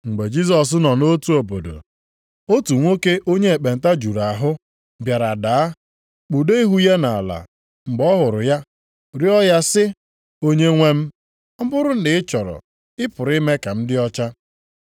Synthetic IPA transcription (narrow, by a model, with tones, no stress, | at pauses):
ŋ͡m̩˨ɡ͡be˨d͡ʒi˦s̬ɔ˨s̬nɔ˨no˦tu˦o˨bo˨do̰˨ | o˦tu˨ŋʷo˦ke˦ʔo˦ɲe˦e˨k͡pe˨n̩˨ta˦d͡ʒu˨ɾa˨ɦʊ˦ | bja˨ɾa˨da˨a˦ | k͡pu˨do˦i˦ɦu˦je˦na˨a̰˨la̰˨ | ŋ͡m̩˨ɡ͡bɔ˦ɦʊ˨ɾʊ˨ja˦ | ɾjɔ˦ja˦sɪ˦ | o˦ɲe˦ŋʷe˦m̩˦ | m̩˦bʊ˦ɾʊ˦n̩˦dɪ˨ɪ˦t͡ʃɔ˨ɾɔ̰˨ | ɪ˦pʊ˨ɾi˦me˦ka˨m̩˦dɪ˦ɔ˦t͡ʃa˦